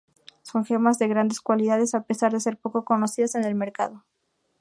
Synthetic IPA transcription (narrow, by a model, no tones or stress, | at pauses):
so̞ŋxemazðe̞ɣɾand̪e̞skwaliðaðesape̞saɾðese̞ɾpo̞koko̞no̞siðase̞ne̞lme̞ɾka̰ð̞o̞